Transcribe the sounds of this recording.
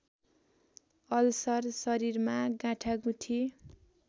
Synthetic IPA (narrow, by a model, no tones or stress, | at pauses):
ʌlsʌrsʌɾiɾmaɡãʈʰaɡũʈʰi